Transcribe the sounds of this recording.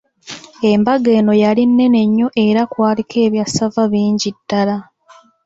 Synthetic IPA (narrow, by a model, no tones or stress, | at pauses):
e̞mbaɡe̞ːno̞jalinːe̞ne̞ɲːo̞ʔe̞ɾakwaːlikʰe̞ːβjasavaβiːɲɟidːala